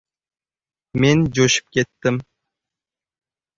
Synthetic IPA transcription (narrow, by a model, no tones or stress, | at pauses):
mend͡ʒoʃɪ̥p̚kʲʰet̪ːɪm